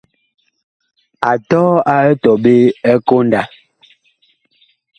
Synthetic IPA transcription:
a˨tɔː˦a˦ɛ˦tɔ˨be˦ɛ˦ko˦nda˨

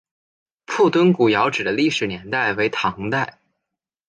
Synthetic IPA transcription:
pʰu˥˩t̪wə˥nku˨˩jɑ˧˥ʊʈ͡ʂɻ̩˨˩d̪ə˦li˥˩ʂɻ̩˨˩njɛ˧˥nt̪a˥˩ɪwe˧˥ɪt̪ʰɑ˧˥ŋt̪a˥˩ɪ

